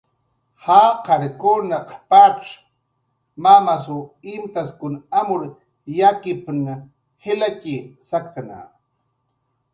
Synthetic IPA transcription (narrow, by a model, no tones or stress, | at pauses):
haqaɾkunaqpaʈ͡ʂ | mamas̬uɪmt̪askʊnamʊɾ | jakɪpn | helakisakt̪ana̰